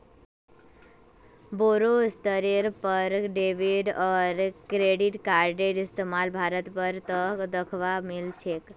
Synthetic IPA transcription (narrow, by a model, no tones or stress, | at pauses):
boɾost̪əɾiɾpəɾɖeʋiɖɔɾkɾeɽiʈkaɾɖeʈist̪emalbʱaɾət̪pəɾt̪əkd̪əkʰʋamilt͡ʃʰek